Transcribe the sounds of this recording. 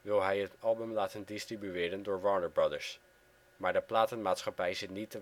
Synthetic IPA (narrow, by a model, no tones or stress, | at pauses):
ʋɪlˠɦɛjɦətɑlˠbəmlaːtəndɪstribyɪːɾəndʊːɹʋɑɹnəɹbɹɑdəɹs | maːɹdəplaːtənmaːtsχɑpɛjzɪtnitːə